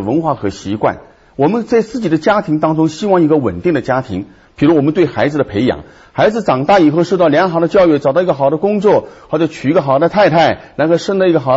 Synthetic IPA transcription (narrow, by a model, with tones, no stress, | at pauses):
wə˧˥nxwa˥˩kʰɤ̰˧˥ɕi˧˥kwa̰˥˩n | wɔ˨˩mə˧˦nt͡sa˥˩ɪt͡sɹ̩˥˩t͡ɕi˨˩d̪ə˦t͡ɕja˥t̪ʰi˧˥ŋt̪ɑ˥ŋʈ͡ʂʊ˥ŋɕi˥wɑ˥˩ŋi˧˥ɡə˧wə̰˨˩nt̪i˥˩ŋd̪ə˩t͡ɕja˥t̪ʰḭ˧˥ŋ | pʰi˨˩ɻu˧˥wɔ˨˩mə˦nt̪we˥˩ɪxa˧˥ɪd͡zɹ̩˧d̪ə˩pʰe˧˥ɪjɑ̰˨˩ŋ | xa˧˥ɪd͡zɹ̩˧ʈ͡ʂɑ˨˩ŋt̪a˥˩i˨˩xo˥˧ʊʂo˥˧t̪ɑ˥˩ʊljɑ˧˥ŋxɑ˨˩ʊd̪ə˦t͡ɕjɑ˥˧ʊɥɛ˥˩ʈ͡ʂɑ˨˩ʊt̪ɑ˥˧˥ɡə˧xɑ˨˩ʊd̪ə˦kʊ˥ŋt͡swɔ˥˩xɑ˥ʊɤ˧˥t͡ɕʰy˨˩˧ɡə˧˩xɑ˨˩ʊd̪ə˧t̪ʰa˥˧ɪt̪ʰa˥˩ɪna˧˥nkʰo˥˧ʊʂə˥ŋlə˧i˧˥ɡə˧xɑ˨˩ʊ